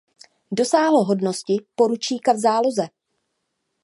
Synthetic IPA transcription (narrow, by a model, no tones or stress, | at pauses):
do̞saːɦloɦo̞dno̞scɪpo̞ɾut͡ʃiːkavzaːlo̞zɛ